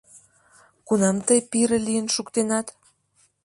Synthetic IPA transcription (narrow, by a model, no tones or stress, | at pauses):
kunɑmt̪əjpiɾəlijənʃukt̪enɑt̪